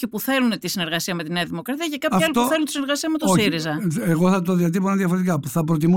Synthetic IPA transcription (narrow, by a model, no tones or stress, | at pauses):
ce̞puθe̞lunt̪isine̞ɾɣɐsiɐme̞t̪ineɐðimokɾɐt̪iɐcekɐpfɐlit̪ouθe̞lunt̪isineɾɣɐsiɐme̞t̪oosiɾizɐeɣoθɐt̪oðiɐt̪iponɐðjɐfoɾet̪ikapuθɐpɾot̪̬imu